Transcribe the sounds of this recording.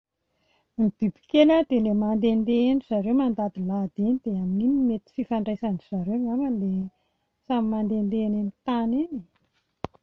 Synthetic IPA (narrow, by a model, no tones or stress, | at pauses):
mib̥ibi̥keləd̪elemand̪end̪eeniz̥aɾewmand̪ad̪ilad̪enid̪̥eamininimet̪i̥fifaɳɖ͡ʐajsaniz̥aɾenaməle | samimand̪end̪enenit̪anini